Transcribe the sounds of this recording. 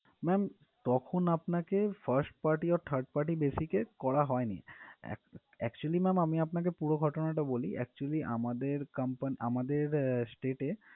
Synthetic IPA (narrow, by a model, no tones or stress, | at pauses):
mɛm | t̪ɔkʰonapnakefʰɐɾsʈpaɾʈiɔɾt̪ʰəɾɖ̚paɾʈibesikekɔɽaɦɔenḭɛ̰ | ɛkt͡ɕualimɛmamiapnak̬epuɽoɡʱɔʈonaʈaboliʔɛ̰k̚t͡ɕualiʔa̰mad̪eɾkampaniʔamad̪eɾsʈeʈe